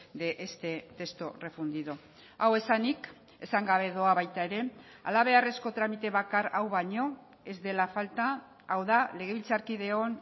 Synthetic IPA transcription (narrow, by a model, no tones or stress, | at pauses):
d̪eʔest̪e̞t̪e̞st̪ore̞fund̪iðo | awe̞sanik | e̞saŋɡaβ̞e̞ðo̞aβajt̪ae̞ɾe̞ | a̰laβ̞e̞are̞sko̞t̪ɾamit̪e̞βakaɾawβaɲo̞ | e̞zd̪e̞lafalt̪aː | wðale̞ɣ̞e̞βilt͡saɾkiðe̞o̞n